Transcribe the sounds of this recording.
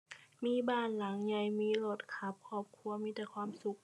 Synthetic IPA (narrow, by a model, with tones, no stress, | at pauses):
miː˧˥˨baː˧˩nla˨˩˦ŋɲa˧˩jmiː˧˥˨lo˧˩t̪̚kʰa˧˥p̚kʰɔː˧˩p̚kʰu˧ɐmiː˧˥˩t̪ɛː˧˩kʰwaː˧˥˨msu˧˦k̚